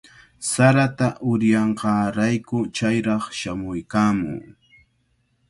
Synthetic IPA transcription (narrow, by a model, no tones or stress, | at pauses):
saɾat̪aʔʊɾjɑɴɢɑːɾajkʊt͡ʃajɾɑχʃamʊjkaːmʊ̰ŋ